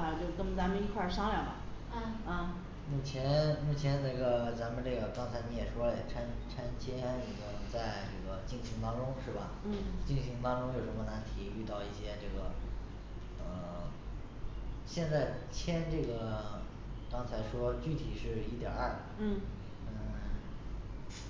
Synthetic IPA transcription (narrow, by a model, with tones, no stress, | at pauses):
t͡ɕjo˥˩ʊkə˥˩ŋ˩t͡sa˧˥mə˧ni˧˥kʰwa˥˩ʂɑ˥ŋljɑ˥˨˩ʊmɐ˨˩˧ | mu˥˩t͡ɕʰjɛ˧˥nmu˥˩t͡ɕʰjɛ˧˥nne˥˩ɡə˩t͡sa˧˥mə˨nʈ͡ʂɤ˥˩ɡə˩kɑ˥ŋt͡sʰa˧˥ɪni˧˥jɛ˨˩ʂwɔ˥lə˨jɛ˨˩ʈ͡ʂʰa˥nʈ͡ʂʰa˥nt͡ɕʰjɛ˥ni˨˧˩ko˥˧t͡sa˥˧ɪʈ͡ʂɤ˥˩ɡə˩t͡ɕi˥˩ŋɕi˧˥ŋt̪ɑ˥ŋʈ͡ʂʊ˥ŋʂɻ̩˥˩bɐ˩˥˩t͡ɕi˥˩ŋɕi˧˥ŋt̪ɑ˥ŋʈ͡ʂʊ˥ŋjo˨˩ʊʂə˧˥mə˧na˧˥nt̪ʰi˧˥y˥˧t̪ɑ˥˧ʊi˥˩ɕjɛ˥ʈ͡ʂɤ˥˩ɡə˩ | ə˧ | ɕjɛ˥˧nt͡sa˥˩ɪt͡ɕʰjɛ˥nʈ͡ʂɤ˥˩ɡə˩ | kɑ˥ŋt͡sʰa˧˥ɪʂwɔ˥t͡ɕy˥˩t̪ʰi˨˩ʂɻ̩˥˩i˥t̪jɑ̰˨˩˦a˥˩˥